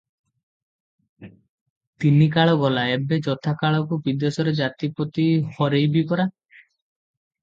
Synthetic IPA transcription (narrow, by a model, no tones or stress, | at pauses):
t̪inikaɭɔɡɔlaebed͡ʒɔt̪ʰakaɭɔkubid̪esɔɾed͡ʒat̪ipɔt̪ihɔɾejbipɔɾa